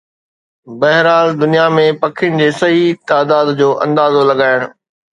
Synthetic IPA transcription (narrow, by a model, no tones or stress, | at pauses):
bɐɦɪɾaːld̪ʊnijamẽpɐkʰɪjʊñɪ̆d͡ʑeːsɐɦit̪aːd̪aːd̪d͡ʑoːʔɐ̰̃nd̪aːzolɐɡaːɪɽ̃ʊ̆